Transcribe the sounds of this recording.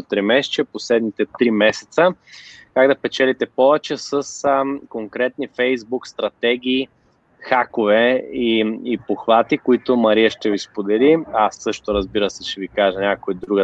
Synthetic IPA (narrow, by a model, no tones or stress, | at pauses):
ot̪ɾimɛʃt͡ʃɛposlɛd̪nit̪ɛt̪ɾimɛsɛ̥t̪səkaɡd̪ɐpɛt͡ʃɛlit̪ɛpɔvɛt͡ʃɛsəskoŋkɾɛt̪nifɛjzbukst̪ɾɐt̪ɛɡ̟iː | xakovɛiipoxvat̪ikoit̪omɐɾiəʃt̪ɛvispod̪ɛliasːɤʃt̪oɾɐzbiɾəsɛt͡ʃɛvikaʒɛnʲakoid̪ɾuɡə